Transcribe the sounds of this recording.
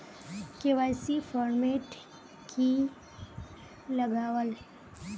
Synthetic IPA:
keʋaːjsifɔːɾmeːʈ | kʰi | ləɡaːwəl

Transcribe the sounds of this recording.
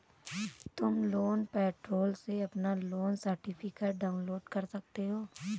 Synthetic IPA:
t̪ʊmloːnpɛːʈɾoːlseɐpnaloːnsəɾʈɪpʰɪkeʈ̚ɖaːʊ̃nloːɖkɐɾsɐk̚t̪eɦoː

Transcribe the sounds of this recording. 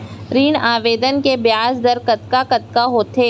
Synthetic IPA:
ɾiːɳaːʋeːd̪ənkebjaːsd̪əɾkɐt̪kakɐt̪̚kaɦoːt̪eː

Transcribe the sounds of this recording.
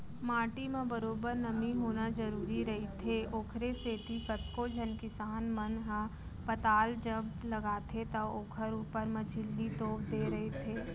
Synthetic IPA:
maːʈimẽbɐɾoːbəɾnɐmiɦoːnad͡ʒɐɾuːɾiɾɐɦit̪ʰeʔoːkʰɾeseːt̪ikɐt̪kod͡ʒʱɐnkɪsaːnmɐnɦə̃ | pɐt̪aːld͡ʒɐblɐɡaːt̪ʰet̪ɐoːkʰəɾuːpəɾmɐd͡ʒʰʱɪlːit̪oːpd̪eːɾɐɦet̪ʰeː

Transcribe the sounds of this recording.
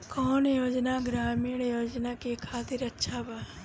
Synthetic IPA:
kɔːnjoːd͡ʒnaɡɾaːmiːɽjoːd͡ʒnakekʰaːt̪iɾɐtːʃʰabaː

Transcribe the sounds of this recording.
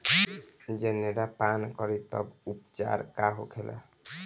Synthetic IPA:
d͡ʒeneɾapankɔɾit̪ɔ̰bupt͡ʃa̰ɾkaɦokʰela̰

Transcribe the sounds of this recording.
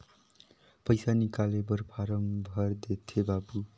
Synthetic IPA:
pʌjsanikalebʌɾpʰaɾʌmbʱʌrd̪et̪ʰːebabu

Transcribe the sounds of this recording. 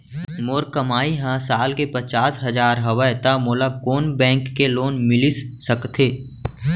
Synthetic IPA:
moːɾkəmaːiɦãsaːlkepət͡ʃaːsɦɐd͡ʒaːɾɦɐʋəjt̪amoːlakoːnbɛ̃ːŋkːeloːnmɪlisːəkt̪ʰeː

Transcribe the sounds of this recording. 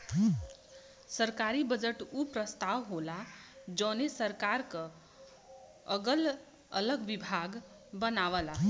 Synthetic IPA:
səɾkaɾibəd͡ʒəʈupɾəst̪awɦolad͡ʒə̃nesəɾkaɾkə | əɡəl | ə̰ləɡbibʱaɡ | bənaʋəla

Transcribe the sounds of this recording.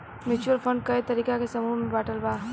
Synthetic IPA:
mɪt͡ʃuəlfʰə̃ɳɖ̚kɐit̪ɐɾiːkakesɐmuːmbaːʈəlbaː

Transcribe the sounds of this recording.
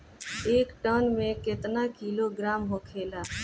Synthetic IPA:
eːkʈəːnmẽkɪt̪nakiːloɡɾaːmɦokʰeːlaː

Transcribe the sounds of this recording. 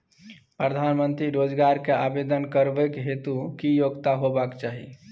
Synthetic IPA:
pɾəd̪ʱanmənt̪ɾiɾod͡ʒɡaɾkeabed̪ənkəɾbəkɦet̪ukijoɡt̪aɦobakt͡ʃaɦḭ

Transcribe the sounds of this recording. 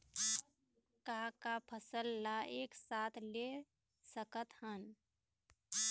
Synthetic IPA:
kakapʰəsəlːaeːksaːt̪ʰle | səkət̪hən

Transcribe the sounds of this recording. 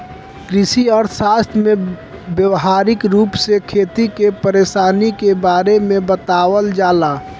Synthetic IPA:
kɾɪsiɔːɾsaːst̪ʰmẽ | bjəwɦaːɾɪkɾuːpsekʰeːt̪ikepəɾeːʃaːnikebaːɾemẽbət̪aːwəld͡ʒaːlaː

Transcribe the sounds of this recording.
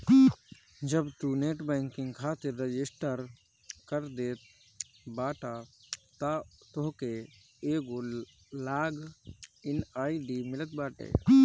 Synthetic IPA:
d͡ʒəbt̪uneːʈbɛːŋkɪ̃ŋɡkʰaːt̪ɪɾːəd͡ʒɪsʈəɾ | kəɾd̪eːt̪ | baːʈat̪at̪oɦke | eːɡo | laːɡɪnaːiɖimɪlət̪baːʈḛː

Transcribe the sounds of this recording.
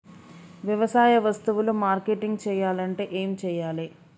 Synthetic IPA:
ʋjɐʋɐsaːjɐʋɐst̪uʋulumaːɾkeʈiŋɡt͡ʃɛːjaːlɐɳʈe̞ːʔeːmit͡ʃɛːjaːli

